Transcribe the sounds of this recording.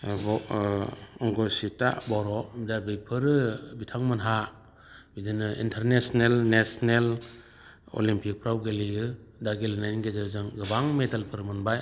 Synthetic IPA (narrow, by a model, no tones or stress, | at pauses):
bɔ | ɔŋɡɔsita̰bɔɾɔmidabejpʰɯɾɯbitʰaŋmɯnɦa | bidinɯḭntʰeɾnesnelnesnel | o̰limpʰik̚pʰɾawɡelijɯ | daɡelinajnɡezɯzɯŋɡɯbaŋmedalpʰɯɾmɯnbaj